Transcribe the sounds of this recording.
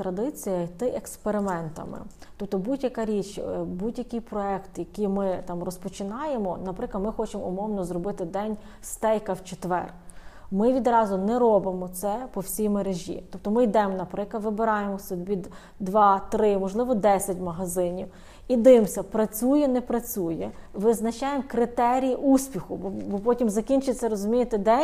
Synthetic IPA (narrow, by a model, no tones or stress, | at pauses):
t̪ɾɐd̪ɪt͡sʲijɐt̪ɪʔekspeɾɪmɛnt̪ɐ̰mɪ̰t̪ɔp̚t̪ɔbudʲjɐkɐɾʲit͡ʃbudʲjɐkʲijpɾɔɛkt̪jɐkijmɪt̪ɑmrɔspɔt͡ʃɪnɑjemɔnɐpɾɪklˠɐmɪxɔt͡ʃemʊmɔwnɔzrɔbɪt̪ɪd̪ɛnʲ | st̪ɛjkɐwt͡ʃet̪ʋɛ̰r | mɪʋʲid̪ɾɑzʊnɛɾɔbɪmɔt̪sɛpɔwsʲijmeɾeʒʲḭt̪ɔpt̪ɔmɪjd̪ɛmɔnɐpɾɪklˠɐd̪ʋɪbɪɾɑjemɔsʲʊd̪ʲbʲid̪ | d̪ʋɑt̪ɾɪmɔʒlˠɪʋɔd̪ɛsʲɐtʲmɐɦɐzɪnʲiw | id̪ɪmsʲɐpɾɐt͡sʲujɛnɛpɾɐt͡sʲujɛʋɪznɐt͡ʃɑjemkɾɪt̪ɛɾʲijiʔusʲpʲixʊbɔbɔpɔtʲimzɐkʲinʲt͡ʃɪt͡sʲːɐɾɔzʊmʲijet̪ɪd̪ɛ